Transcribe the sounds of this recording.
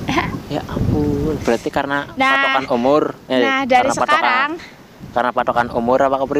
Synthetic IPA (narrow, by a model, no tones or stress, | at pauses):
aja̰ʔakub̥ɾat̪ikarənanpaɔtanumʊrɛdaanapat̪ɔkanŋ | karənapat̪okanumʊɾapakopɾi